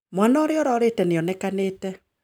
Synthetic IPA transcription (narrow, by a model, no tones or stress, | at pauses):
mwanɔːɾeɔɾɔɾetɛneɔnɛkaneːtɛ